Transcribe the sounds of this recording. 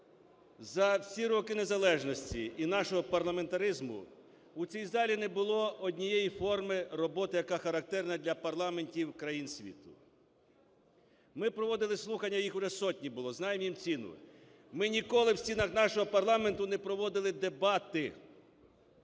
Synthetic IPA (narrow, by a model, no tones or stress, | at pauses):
zɐwsʲiɾɔkɪne̞zɐlˠɛʒnɔsʲtʲiinɑʃɔɦɔpɐrlˠɐme̞nt̪ɐɾɪzmʊ̰ | ut͡sʲijzɑlʲinɛbʊlˠɔɔdʲnʲijɛjifɔrmɪrɔbɔt̪ɪjɐkɑxɐɾɐk̚t̪ɛrnɐd̪ʲlʲɐpɐrlˠɑme̞nʲtʲiwkɾɐjinsʲʋʲḭt̪ʊ | mɪpɾɔʋɔd̪ɪlˠɪslˠuxɐnʲːɐjixʊʒɛsɔtʲnʲibʊlˠɔznɑjemjimt͡sʲinʊ̰ | mɪnʲikɔlˠɪwsʲt͡sʲinɐxnɑʃɔɦɔpɐrlˠɑment̪ʊnɛpɾɔʋɔd̪ɪlˠɪd̪e̞bɑt̪ɪ